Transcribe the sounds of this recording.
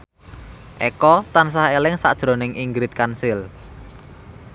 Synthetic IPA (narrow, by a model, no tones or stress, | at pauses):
ʔekɔt̪ans̬ahelɪŋsa̰ʔd̥ʒ̥ɾo̤nɪŋʔiŋɡɾɪt̪̚kansɪl